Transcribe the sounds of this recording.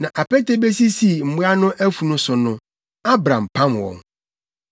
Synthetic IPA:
nã˨ʔa˨pɛ˦te˦be˦si˦si˨m̩˨mʊ˦a˦nʊ̃˦ʔæ˦fu˨nʊ̃˦sʊ˨nʊ̃˦ | a˦bɾã̰˨m˨pʰã˦mwɔ̰̃˨ŋ

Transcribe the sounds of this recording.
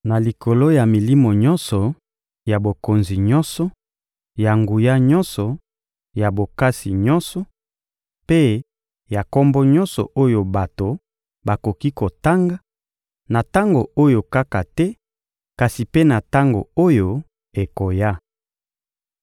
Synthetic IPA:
na˨li˨kʰo˨lo˦ja˨mi˨li˦mo˨ɲɔ˦nsɔ˨ | ja˨bo˨ko˨nzi˨ɲɔ˦nsɔ˨ | ja˨ŋɡu˨ja˦ɲɔ˦nsɔ˨ | ja˨bo˨ka˦si˨ɲɔ˦nsɔ˨ | pe˦ | ja˨kɔ˦mbɔ˦ɲɔ˦nsɔ̰˨ʔo˦jo˨ba˨to˨ | ba˨ko˨ki˦ko˨ta˦ŋɡa˦ | na˨ta˦ŋɡo˨o˦jo˨ka˦ka˨tɛ˦ | ka˨si˨pe˦na˨ta˦ŋɡo̰˨o˦jo˦ | e˨ko˨ja˦

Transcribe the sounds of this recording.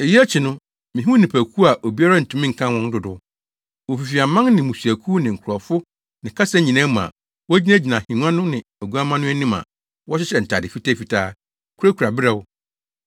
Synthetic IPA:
e˨ji˦æ˦t͡ɕʰi˨nʊ̃˦ | mĩ˨ɦũ˦nĩ˨pʰæ˨kʰu˦a˨ʔo˨bi˦a˦ɾa˦n̩˨tʰũ˨mĩ˦ŋ̩˨kʰã˦wɔ̃˦n˦dʊ˦dʊ˦ | wo˨fi˨fi˨a˨mã˦ŋnɪ̃˨mũ˨su˨æ˨kʰuː˦nɪ̃˨ŋ̩˨kʰʊ˨ɾɔ˨fʊ˦ | nɪ̃˨kʰa˦sa˦ɲĩ˨nã˦m˨a̰˨ | wɔ˦d͡ʑi˦nã˦d͡ʑi˨nã˨hĩ˨nu˦ã˦nʊ̃˦nɪ̃˨æ˨ɡu˦a˦mã˦nʊ̃˦æ˦nĩ˦mã̰˨ | wɔ˦ɕɪ˦ɕɛ˨n̩˨tʰa̰˨dɪ˨fi˦tʰæ˦fi˨tʰaː˦˨ | kʰu˦ɾa˦kʰu˨ɾa˨bɪ˦ɾɛ˦wʊ˦

